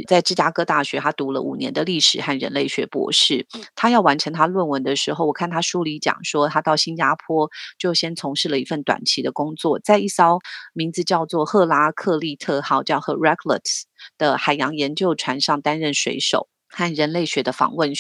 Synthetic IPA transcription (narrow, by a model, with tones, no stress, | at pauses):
t͡sa˥˩ɪʈ͡ʂɻ̩˥t͡ɕja˥kɤ˥t̪a˥˩ɕɥɛ˧˥t̪ʰa˥t̪u˧˥lə̰˧ʔṵ˨˩njɛ˧˥nd̪ə˧li˥˩ʂɻ̩˨˩xa˥˩nɻə̰˧˥nle˥˩ɪɕɥɛ̰˧˥pwɔ̰˧˥ʂɻ̩˥˩t̪ʰa˥jɑ˥˩ʊwa˧˥nʈ͡ʂʰɤ˧˥ŋt̪ʰa˥lwə˥˩nwə˧˦nd̪ə˧ʂɻ̩˧˥xo˥˩ʊwɔ˨˩kʰa˥˩nt̪ʰa˥ʂu˥li˧˥t͡ɕjɑ̰˨˩ŋʂwɔ˥t̪ʰa˥t̪ɑ˥˩ʊɕi˥nja˥pʰwɔ˥t͡ɕjo˥˩ʊɕjɛ˥nt͡sʰʊ˧˥ŋʂɻ̩˥˩lə˨˩i˧˥fə˥˩nt̪wa̰˨˩nt͡ɕʰi˧˥d̪ə˧kʊ˥ŋt͡swɔ˥˩t͡sa˥˧ɪi˥˩sɑ˥ʊmi˧˥ŋd͡zɹ̩˧t͡ɕjɑ˥˧ʊt͡swɔ˥˧xɤ˥˧la˥kʰɤ˥˧li˥˧t̪ʰɤ˥˧xɑ˥˩ʊt͡ɕjɑ˥˧ʊxɤ˥˧ɹɛ˥kʰlə̰˨˩t̪d̪̥ə˦xa˨˩ɪjɑ˧˥ŋjɛ˧˥nt͡ɕjo˥˩ʊʈ͡ʂʰwa˧˥nʂɑ˥˩ŋt̪a˥nɻə˥˩nʂwḛ˧˥ɪʂo̰˨˩˦ʊ | xa˥˩nɻə˧˥nle˥˩ɪɕɥɛ˧˥d̪ə˧fɑ̰˧˥ŋwə˥˩n